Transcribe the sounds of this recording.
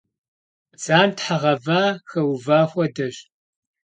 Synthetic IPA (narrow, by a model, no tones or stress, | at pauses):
t͡saːntħaʁɐvaːxɐwvaːxʷɔdɐɕ